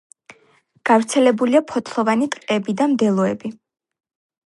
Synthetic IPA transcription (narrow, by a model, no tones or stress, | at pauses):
ɡ̥avɾt̪sʰɛlɛbuliapʰɔt̪ʰlˠɔvanit̪ʼqʼɛbid̪amd̪ɛlˠɔɛbi